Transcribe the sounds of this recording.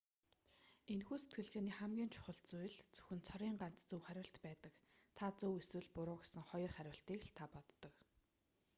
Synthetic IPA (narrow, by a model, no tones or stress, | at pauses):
enxuːset̪̚ɡɘ̆ɮxeːniːχæmɡʲiːnt͡ɕʰʊ̥χə̆ɮt͡sujɮt͡sɵ̥xɵ̆nt͡sʰɔɾiːŋɢan̥t̪t͡sɵwχæɾʲwə̆ɬt̪pæːt̪ə̆kt̪ʰat͡sɵweswɘ̆ɮpʊɾʊːxesɘ̆ŋχɔjɞ̆rχæɾʲwə̆ɬt̪iːkɮt̪ʰapɔt̪ːɞ̆k